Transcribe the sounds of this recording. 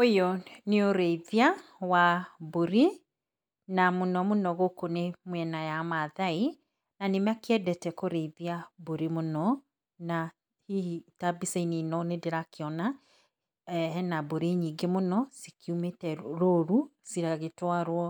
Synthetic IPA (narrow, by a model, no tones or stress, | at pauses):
ojɔneoɾeiðia | waboɾi | namonɔmonɔɣokonemwɛnajamaðai | nanemakeɛdɛtɛkoɾeiðiaboɾimonɔ | na | hitabiseininɔnedeɾakeɔna | ɛɛnaboɾeɲiŋɡemonɔsikiumetɛɾoɾusiɾaɣetwaɾwɔ